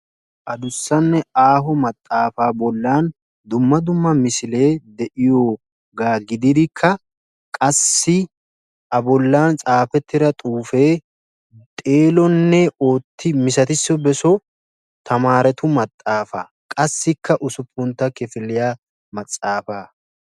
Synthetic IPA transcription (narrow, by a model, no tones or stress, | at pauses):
ʔɐd̪ʊsːɐnːɛaːɦɔmɐt̪ʼːaːfaːbɔlːaːn | d̪ʊmːɐd̪ʊmːɐmɪsɪle̞ːd̪ɛʔɪjoː | ɡaːɡɪd̪ɪd̪ɪkʰːɐ | kʼɐsːɪ | ʔɐbɔlːaːnt͡sʼaːfɛt̪ːɪɾɐt̪ʼuːfe̞ː | t̪ʼe̞ːlɔnːɛo̞ːt̪ːɪmɪsɐt̪ɪsːɔbɛsɔ | t̪ʰɐmaːɾɛt̪ʊmɐt̪ʼːaːfa̰ | kʼɐsːɪkːɐʔʊsʊpʰːʊnt̪ːɐkɛfɪlːɪjaː | mɐt͡sʼːaːfaː